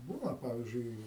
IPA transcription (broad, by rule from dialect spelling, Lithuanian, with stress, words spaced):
ˈbuːnɐ ˈpɑːʋʲiːzʲd͡ʒʲʊɪ